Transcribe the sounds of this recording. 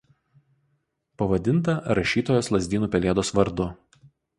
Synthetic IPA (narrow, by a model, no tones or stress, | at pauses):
pɐʋɐd̪ʲɪnt̪ɐɾɐʃʲiːt̪oːjoːslˠɐzʲd̪ʲiːnuːpʲɛlʲeɛd̪oːsʋɐɾd̪ʊ